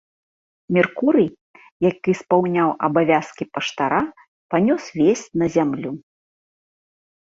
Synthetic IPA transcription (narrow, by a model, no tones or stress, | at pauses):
mʲɛrkuɾɨj | jakɨspawnʲawʔɐbavʲaskʲipɐʂt̪aɾa | panʲɔsvʲesʲt͡sʲnɐzʲamlʲu